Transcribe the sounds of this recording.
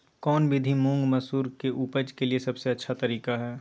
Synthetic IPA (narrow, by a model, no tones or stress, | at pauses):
kɔːnbʱɪd̪ʱimũŋɡmɐsuːɾkeʔuːpəd͡ʒkeliesɐbseɐtːʃʰat̪ɐɾiːkaɦɛː